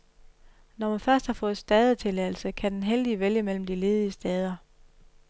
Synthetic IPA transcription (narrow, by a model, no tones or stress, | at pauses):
nɒmænfɶɐsd̥hɑ̈fɔ̽ːð̞̩ˠsd̥ɛð̞ˠət͡sʰe̝læl̩səkʰæd̥enɦeld̥iəʋeljəmel̰m̩d̥ile̝ːð̞ˠiəsd̥ɛːð̞ˠɐ